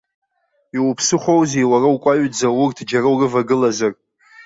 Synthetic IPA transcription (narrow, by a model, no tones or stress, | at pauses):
iwupʰsɨχʷowzewarawkʷʼaɥd͡zaurtʰd͡ʒarawrɨvaɡɨlazar